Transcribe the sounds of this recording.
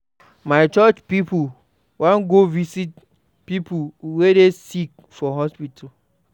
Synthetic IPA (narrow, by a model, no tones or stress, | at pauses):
maɪt͡ʃɔt͡ʃpipu | wãnɡovisit̚ | pipuwedesik̚ | fɔɦɔspitʰa